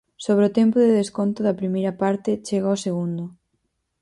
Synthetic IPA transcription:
soβɾeot̪ɛmpʊðeðeskont̪ʊðɐpɾimejɾɐpaɾt̪ɪt͡ʃeɣaoseɣund̪ʊ

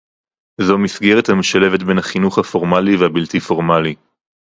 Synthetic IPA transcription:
zo̞misɡeʁet̪hameʃalevet̪be̞naχinuχhafo̞ʁmalivehabilt̪ifo̞ʁmali

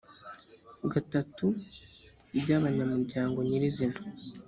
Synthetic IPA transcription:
ɡatatu | bɟaːβaɲamuɾɟaːŋɡo̞ɲiɾizina

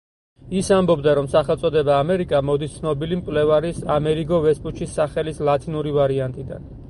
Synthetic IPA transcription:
isambɔbd̪aɾɔmsaχɛlt̪sʼɔd̪ɛbaːmɛɾikʼamɔd̪ist̪sʰnɔbilimkʼlɛvaɾisamɛɾiɡɔvɛspʼut͡ʃʰisːaχɛlislˠat̪ʰʼinuɾivaɾiant̪ʼid̪a̰n

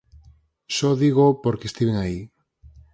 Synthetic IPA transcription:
ʃoðiɣ̞opoɾkest̪iβeŋai

